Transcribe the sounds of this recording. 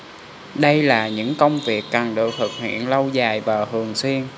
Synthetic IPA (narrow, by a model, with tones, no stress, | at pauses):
ɗə˧jlaː˨˩ɲɨ̰˧˥ŋkə˧wŋ͡mvi˨˩əkːaː˨˩nɗɨ˨˩ək̚t̪ʰɨ˨˩k̚hwḭ˧˨ənlə˧wzaː˨˩jvaː˨˩hɨ˨˩əŋswi˧ən